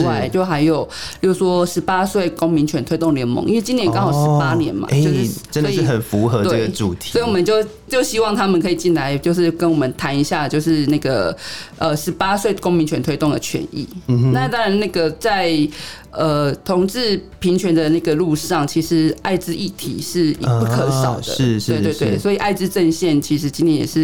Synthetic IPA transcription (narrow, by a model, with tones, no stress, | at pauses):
wa˥˩ɪt͡ɕjo˥˩ʊxa˧˥ɪjo˨˩ʊljo˥˩ʂwɔ˦˥ʂɻ̩˧˥pa˥swe˥˩ɪko˥ŋmi˧˥nt͡ɕʰɥɛ˧˥nt̪ʰwe˥ɪt̪o˥˩ŋljɛ˧˥nmo̰˧˦ŋʔi˥nwt͡ɕi˥njɛ˧˥nkɑ˥˦ŋjo˨˩ʂɻ̩˦pa˦njɛ̰˧˦nma̰˨t͡ɕjo˥˧˥ʈ͡ʂə˦ndɔ˦˥iɻ̩˥˩xə˨˩nfu˧˥xə˧˦t̪weə˥˧˩ɡə˨˩sʈ͡ʂu˨t̪ʰi̥˨ɔ˧˥i˨wɔ˨˩mə˨˦nt͡ɕjo˥˧ʊ | t͡ɕjo˥˩ʊɕi˥wɑ˥˨˩ŋt̪ʰa˥mə˨nkʰɤ˧˥i˨˩t͡ɕi˥˩nla˧˦ɪt͡ɕjo˥˧ʊʂɻ̩˥˩kə˦nwɔ˨˩mə˨nt̪ʰa˧˦ni˧˥ɕja˥˩t͡ɕjo˥˧ʊʂɻ̩˥˧na˥˩ɡə̰˩ʔə˨ʂɻ̩˧˥pa˥swe˥˩ɪd̪ə˩ko˥ŋmi˧˥nt͡ɕʰɥɛ˧˦nt̪ʰwe˥ɪt̪ʊ˥˩ŋd̪ə˨˩t͡ɕʰɥɛ̰˧˦nḭ˥˩˧na˥˧t̪ɑ˥ŋɻa˧˦na˥˩ɡə˩t͡sa˥˩ɪ | ə˧˩t̪ʰʊ˧˥ŋʈ͡ʂɻ̩˥˩pʰi˧˥nt͡ɕʰɥɛ˧˦nd̪ə˨na˥˩ɡə˩˨lu˥˧ʂɑ˥˨˩ŋt͡ɕʰi˧˥ʂɻ̩˧˥a˥˩ɪʈ͡ʂɻ̩˥i˥˩t̪ʰḭ˨˩ʂɻ̩˥˩˨pu˥˩kʰɤ˧˦ʂɑ˨˩ʊd̪ə̰˦ɻ̩˥˩e˥˧we˥˧twe˥˩ɪswɔ˧˥i˨˩ʔa˥˩ɪʈ͡ʂɻ̩˥ʈ͡ʂə˥˧nɕjɛ˥˩nt͡ɕʰi˧˥ʂ̬ɻ̩˧˥t͡ɕi˥nt̪ʰjɛ˧˥njɛ̰˨˩ʂɻ̩˥˩